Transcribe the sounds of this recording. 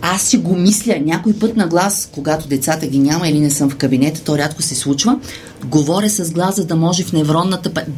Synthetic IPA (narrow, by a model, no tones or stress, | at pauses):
asːiɡomislʲənʲakoipɤt̪nɐɡlˠaskoɡat̪od̪ɛt̪sat̪əɡʲinʲamɐilinɛsɤmfkɐbinɛt̪ə̥t̪ɔɾʲat̪kʊsɛslˠut͡ʃvə | ɡovɔɾʲəsɐzɡlˠazzɐd̪ɐmɔʒɛfnɛvɾɔd̪nːɐt̪əp